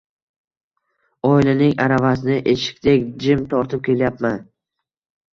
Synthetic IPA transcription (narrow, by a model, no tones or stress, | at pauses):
ɒɪlɪnɪŋaɾavasɪnɪʔeʃɪ̥kʲt̪ʰekʲd͡ʒɪmt̪ʰɒɾt̪ʰɪp̚kʲe̞ljapman